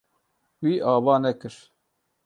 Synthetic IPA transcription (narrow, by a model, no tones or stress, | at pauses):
wiːʔɑːbɑːnɛkɨɾ